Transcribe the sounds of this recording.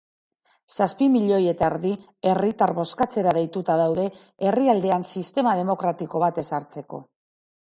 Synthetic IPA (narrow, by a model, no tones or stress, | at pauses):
saspimiʎo̞je̞t̪aeɾði | e̞rit̪aɾβo̞skat͡se̞ɾaðejt̪ut̪aðawðe̞ | eriald̪e̞ansist̪e̞mað̞e̞mo̞kɾat̪iko̞β̞at̪e̞saɾt͡se̞ko̞̰